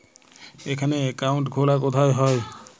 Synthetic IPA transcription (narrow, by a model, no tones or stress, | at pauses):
ejkʰanɛekawntɡʱolakɔt̪ʰajɦɔj